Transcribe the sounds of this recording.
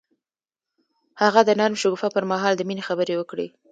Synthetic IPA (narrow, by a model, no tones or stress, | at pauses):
haɣad̪ənaɾmʃʊɡufapəɾmaɦɑld̪əminexabəɾewəkɽḛ